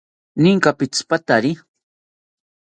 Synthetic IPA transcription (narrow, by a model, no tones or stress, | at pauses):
nɪŋkapɪt͡spat̪aɾɪ